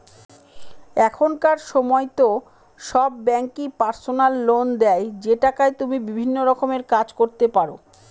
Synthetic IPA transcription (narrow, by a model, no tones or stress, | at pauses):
ɛkʰonkaɾʃɔmɔjt̪o | ʃɔbːɛŋkipaɾsonalːond̪ɛjd͡ʑeʈakajt̪umibibʱinːoɾɔkomeɾkad͡ʑkoɾt̪epaɾo